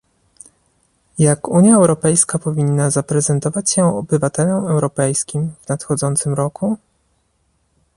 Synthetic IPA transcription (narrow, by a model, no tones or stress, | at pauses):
jakuɲjaɛwɾɔpɛjskapɔvʲinːazapɾɛzɛnt̪ɔvat͡ɕɕɛɔbɘvat̪ɛlɔmɛwɾɔpɛjskʲimvnat̪xɔd̪zɔnt̪sɘmɾɔku